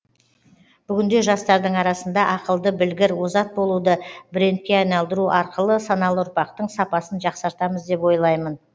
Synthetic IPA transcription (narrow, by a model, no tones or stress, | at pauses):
b̥ʏɡʲɪnd̪e̞ʒɑst̪ɑɾd̪əɴɑɾɑsənd̪ɑʔɑqəlˠd̪əbɪlɡʲɪɾwozɑt̪̚bo̞lˠud̪əbɾe̞nt̪̚kʲe̞ɑjnɑlˠd̪əɾuʔɑɾqəlˠəsɑnɑlˠəʊɾpɑqt̪əɴsɑpɑsənʒɑqsɑɾt̪ɑməzd̪e̞pwo̞jlˠɑjmən